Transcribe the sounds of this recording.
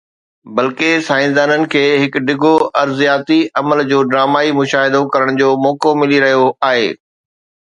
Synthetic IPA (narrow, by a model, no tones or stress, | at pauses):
bɐlkesaːɪ̃nd̪aːnənɪ̆kʰeːɦɪkɖɪɡʱoʔɐɾzijaːt̪iɐməld͡ʑoːɖɾaːmaːimʊʃaːɦɪd̪okɐɾəɽ̃d͡ʑoːmɔːkomɪliɾɐɦijoaːɦḛː